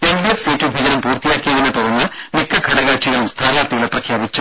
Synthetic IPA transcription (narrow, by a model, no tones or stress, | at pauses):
e̞nbiefseːtːubʱid͡ʑɐɾɐmpuːrt̪ijaːkːijɐðinːɨt̪urɐnːɨmikːɐɡʰʱɐɽɐɣaːʈʂiɣɐɭumst̪ʰaːlaːt̪ːiɣɐlɭeprɐkʰjaːbit͡ɕːu